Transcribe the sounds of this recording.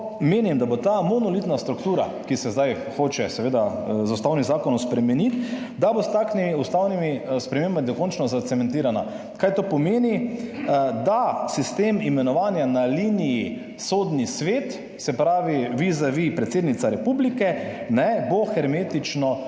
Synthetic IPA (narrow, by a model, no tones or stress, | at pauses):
meːnimd̪abot̪amonɔlit̪nast̪ɾukt̪uːɾa̰kisɛzd̪aj | xoːt͡ʃɛsɛʋeːd̪azust̪awnizaːkɔnɔmspɾɛmɛnit̪ | d̪abost̪aːkʃnimiust̪aːwnimispɾɛmeːmbamid̪ɔkɔnt͡ʃnɔzat̪sɛmɛ̃nt̪iːɾana | kajt̪opɔmeːni | d̪asist̪eːmimɛnɔʋaːnjanaliniji | soːd̪nisʋeːt̪ | sɛpɾaːʋiʋizaʋipɾɛt̪seːd̪nit̪saɾɛpublikɛ | nɛboxɛɾmeːt̪it͡ʃnɔ